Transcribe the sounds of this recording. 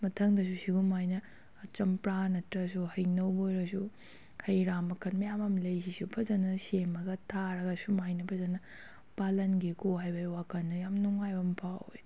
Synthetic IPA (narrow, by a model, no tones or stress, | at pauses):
mɐtʰɐŋdɐs̬usiɡumajnɐː | t͡ʃɐmpɾanɐtɾɐs̬uhɐjnɐwbojɾɐsu | hʰɐjɾamɐkʰɐnmɐjamɐmlɐjsisupʰɐzɐnɐsemɐɡɐtʰaɾɐɡɐsumajnɐpʰɐzɐnɐ | palɐnɡikoɦajbɐwakʰɐnːɐjamnuŋajbɐmpʰawe